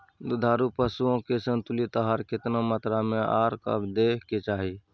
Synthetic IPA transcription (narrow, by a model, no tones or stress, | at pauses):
d̪ʊd̪ʱaːɾupəsuõkesə̃nt̪ʊlit̪əɦaːɾkɪt̪namət̪ɾamẽaːɾkə̰bd̪eːket͡ʃaːɦi